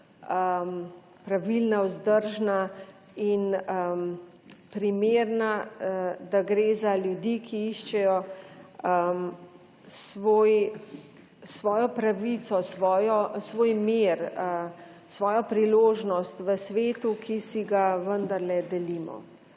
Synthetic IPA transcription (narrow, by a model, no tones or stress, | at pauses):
əm | pɾaʋilnawzd̪əɾʒna | inəm | pɾimeːɾna | d̪aɡɾeːzaljud̪ikʰiiʃt͡ʃɛjɔ | ə | sʋoːj | sʋɔːjɔpɾaʋit̪sɔsʋɔːjɔsʋoːjmeɾə | sʋɔːjɔpɾiloːʒnɔst̪ʋəsʋeːt̪ukʰisiɡaʋənd̪ɐɾlɛd̪ɛlimɔ̰